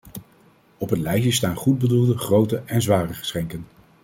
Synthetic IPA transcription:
ɔpətlɛjʃəstaːnχud̚bədulˠdəχrowtəɛnzʋaːrəχə̥sχɛŋkən

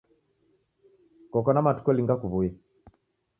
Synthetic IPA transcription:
kɔkɔnamatu̥kɔliŋɡakuβuja

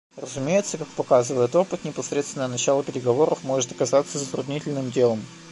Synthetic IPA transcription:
rəzʊmʲejɪt̪səkak̚pɐkazɨvəjɪt̪o̞pɨt̪nʲɪpɐsɾʲet̪st̪ʲɪnənɐt͡ɕalˠəpʲɪɾʲɪɡɐvo̞ɾəfmo̞ʐɨt̪ɐkɐzat̪səzət̪ɾʊd̪nʲitʲɪlʲnɨmdʲe̞lˠəm

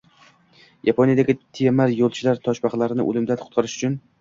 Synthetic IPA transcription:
japʰonijad̪aɡʲɪt̪ʰijemaɾjolˠt͡ʃʰɪlaɾt̪ʰɒʃbɑχlˠaɾɪnɪ̰ʔo̰lˠɪmd̪anqʰʊ̥t̪qʰɑɾɪʃʊ̥t͡ʃʰʊn

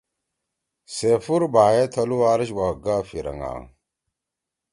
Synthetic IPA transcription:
sefuɾbajatʰaluaɾiʃwaɡafiɾa̰ŋa̰

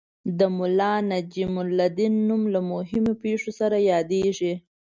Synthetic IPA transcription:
d̪əmʊlɑnad͡ʒimʊlːad̪inːumlamʊɦɪmopeʂosaɾajɑd̪eʐi

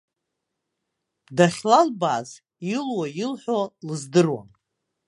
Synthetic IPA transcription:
daχʲlalbaːz | ilwajilħʷᶣolɨzdɨrwa̰n

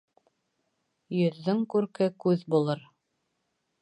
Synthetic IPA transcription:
jɵ̆ðːɵŋkʉɾkɘkʉðbulˠɤɾ

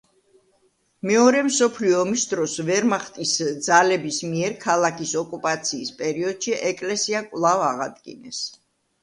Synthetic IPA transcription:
mɛɔɾɛmsɔpʰliɔːmisd̪ɾɔsvɛɾmaχt̪ʼisd̪zalɛbismiɛɾkʰalˠakisɔkʼupʼat̪sʰiːspʼɛɾiɔd̪̥ʃiʔɛkʼlɛsiakʼwlˠavaʁa̰d̪ɡḭnɛs

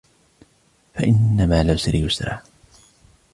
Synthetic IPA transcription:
faʔɪnːamaːlawsalɪjʊsɾˤa̰ː

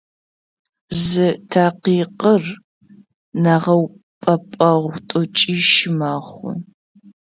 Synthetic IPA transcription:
zɨtʰaːqiːqʼər | naʁɐw | pʼɐpʼɐʁʷtʷʼʊt͡ʃʼiːʃɪmaːχʷʊ̰

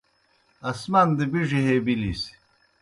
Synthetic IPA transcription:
ɐsmand̪ɨbiʐiɦebilis

